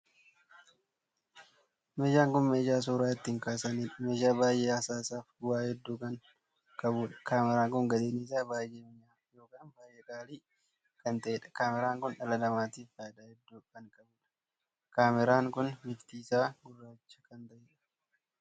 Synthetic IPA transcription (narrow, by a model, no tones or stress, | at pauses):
meːd͡ʒaːŋkʊnmeːd͡ʒaːs̬uːɾaːɪt̪ːiːŋkaːsɐniːᶑɐmeːʃaːbaːjʔeːɐsaːsaːfɡʊwaːhɛd̪ːuːkɐŋ | kʼɐbuːᶑɐ̥kaːmɛɾaːŋkʊŋɡɐd̪eːniːs̬aːbaːjʔeːmɪɲaːjo̞ːkaːnbaːjʔeːkʼaːliː | kɐnt̪ɐʔeːᶑɐ̥kaːmɛɾaːŋkʊnᶑɐlɐlɐmaːt̪iːfad̪aːhɛd̪ːuːkɐŋkʼɐbuːᶑɐ̥ | kaːmɛɾaːŋkʊnmɪft̪iːsaːɡʊrːaːt͡ʃːɐ̥kɐnt̪ɐʔeːᶑɐ̥